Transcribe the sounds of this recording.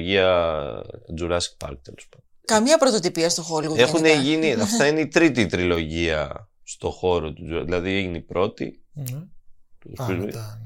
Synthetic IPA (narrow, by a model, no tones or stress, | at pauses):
ʝiɐ | d͡zuɾɐsk̚pɐ̰ɾk̚t̪elespɐnd̪okɐmɲɐpɾot̪ot̪ipiɐst̪oxoloexuneʝiniɐft̪ɐineit̪ɾit̪it̪ɾilo̞ʝiɐ̰ | st̪o̞xo̞ɾot̪uzðilɐðieʝinipɾo̞t̪ḭ | sizm